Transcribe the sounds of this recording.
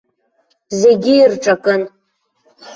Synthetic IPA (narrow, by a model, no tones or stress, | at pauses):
zeɡʲɪːrʈ͡ʂʼakʼɨn